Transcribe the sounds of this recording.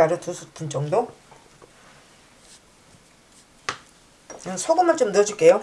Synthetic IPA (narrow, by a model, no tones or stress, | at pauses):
aɾɯtusʰutʰɯnt͡ɕ͈ʌmdo | ɯsʰoɡɯmɯɭt͡ɕomnɯʌd͡ʑuk͈e̞jo